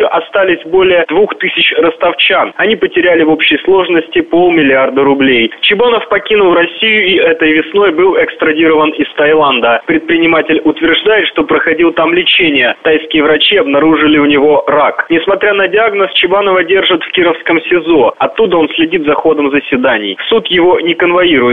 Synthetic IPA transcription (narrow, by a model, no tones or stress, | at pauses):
ʔɐst̪alʲɪsʲbo̞lʲɪjəd̪vuxt̪ɨsʲɪt͡ɕrəst̪ɐft͡ɕanɐnʲipətʲɪɾʲælʲɪvo̞pɕːɪjslˠo̞ʐnəsʲtʲɪpo̞lˠmʲɪlʲɪard̪əɾʊblʲejt͡ɕɪbanəfpɐkʲinʊlˠrɐsʲijʊiɛt̪əjvʲɪsno̞jbɨlˠɛkst̪ɾɐdʲiɾəvənɪst̪ɐjlˠand̪əpɾʲɪt̪̚pɾʲɪnʲɪmatʲɪlʲʊt̪vʲɪrʐd̪ajɪt̪ʂt̪o̞pɾəxɐdʲilˠt̪amlʲɪt͡ɕenʲɪjət̪ajskʲɪjəvɾɐt͡ɕiɐbnɐɾuʐɨlʲɪʊnʲɪvo̞ɾaknʲɪsmɐt̪ɾʲanədʲɪaɡnəst͡ɕɪbanəvədʲe̞rʐɨt̪fkʲiɾəfskəmsʲɪzo̞ɐt̪ːud̪əo̞nsʲlʲɪdʲit̪zɐxo̞d̪əmzəsʲvʲɪd̪anʲɪ̰jsut̪jɪvo̞nʲɪkənvɐiɾʊjɪ